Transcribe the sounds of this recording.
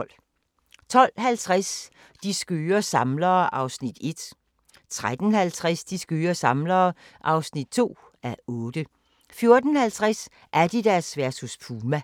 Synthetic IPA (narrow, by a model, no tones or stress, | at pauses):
l̰ | t͡sʰɒ̽l̰ɦælt͡sʰʁas | d̥isɡ̥øːɐsɑ̈mlɐːʔɑ̈ʊsnid̥e̝d̥ | t͡sʰʁad̥ən̩hælt͡sʰʁasd̥isɡ̥øːɐsɑ̈mlɐːʔɑ̈ʊsnid̥̚t͡sʰo̝̰ː | æɔ̽ːd̥ə | fjo̝ɐd̥ən̩hælt͡sʰʁas | ʔæɐd̥id̥æɐsʋæɐsuspʰuːmæ